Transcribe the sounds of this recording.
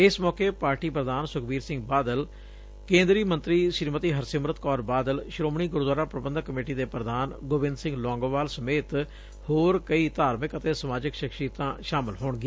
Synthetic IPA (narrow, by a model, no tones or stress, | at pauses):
ɪsmɔːkeːpaːɾʈiːpɾəd̪aːnsʊkʰbiːɾsɪŋɡbaːd̪əl | kẽːnd̪ɾiːmə̃nt̪ɾiːʃɪɾmət̪iːɦəɾsɪmɾət̪kɔːɾbaːd̪əlʃɾoːmɳ̃iːɡʊɾd̪waːɾaːpɾəbənd̪əkːəmeːʈiːd̪eːpɾəd̪aːnɡoːbɪ̃nd̪sɪ̃ŋɡlɔ̃ːŋɡʋaːlsəmeːt̪ | hoːɾkəiːt̪aːɾmɪkət̪eːsəmaːd͡ʒɪkʃɪkʃit̪ãːʃaːmɪlɦoːɳɡɪeː